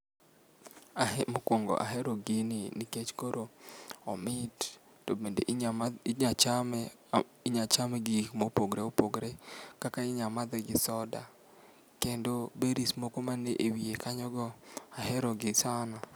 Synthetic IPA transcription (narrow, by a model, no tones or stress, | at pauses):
mokwoŋɡɔ̰ʔa̰ɦeɾoɡɪnɪnɪket͡ʃkoɾoɔ̰mɪt | tobendḛʔ | a | ɲat͡ʃamɛɡikmopoɡɾeopoɡɾekakaɪɲamad̪ɛɡɪsɔda̰ | kendobeɾismokomaneʔewiekaɲɔɡɔahɛɾɔɡɪsanɔ